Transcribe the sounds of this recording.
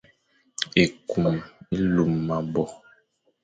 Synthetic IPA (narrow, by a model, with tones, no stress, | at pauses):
e˨ku˨me˦lu˨mːa˨bɔ˨